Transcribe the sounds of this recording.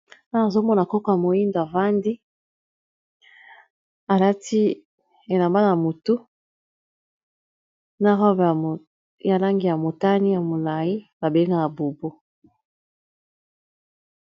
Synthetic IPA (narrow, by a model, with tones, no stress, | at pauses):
na˦a˨zo˦mɔ˦na˨kɔ˦kɔ˦ja˨mo˨ji˦ndo˨a˨va˦ndi˦ | a˨la˦ti˦ | e˨la˨mba˦na˨mo˨tu˦ | na˦ʁɔ˦b | ja˨la˦ŋɡi˨ja˨mo˨ta˦ni˦ja˨mo˨la˨ji˦ba˨be˦ŋɡa˦ja˨bo˨bo˦